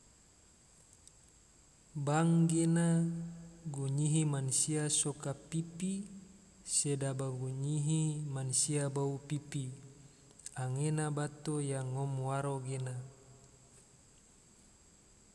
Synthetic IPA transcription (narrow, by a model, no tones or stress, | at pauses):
baŋɡena | ɡuɲiɦimansiasokapipi | sedabaɡuɲiɦimansiabaupipi | aŋenabat̪ojaŋːɔmwaɾoɡena